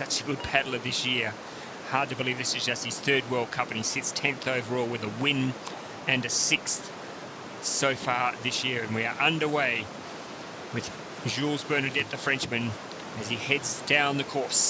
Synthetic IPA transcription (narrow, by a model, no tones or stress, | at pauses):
sʌt͡ʃɨɡʊd̚pʰæɾl̩ˠəvðɪsjɪɹ | hɑɹd̚tɨbəlivðɪsɨzd͡ʒʌst̚hɨz̥θɜ˞d̚wɜ˞l̚ˠkʰʌ̃mpɨ̃nisɪtstʰɛ̃nθoʊvə˞lˠwɨðəwɪ̃n | ɨ̃nɨsɪksθ | soʊfɑɹðɪsjɪɹɨ̃nwiə˞ʔʌ̃ndə˞weɪ | wɨð̥ | ʒulˠzbɜ˞ñə˞dɛt̪̚ðɨfɹɛ̃nt͡ʃmɨ̃n | ɨz̥ihɛdzdãʊ̃nðɨkʰɔɹs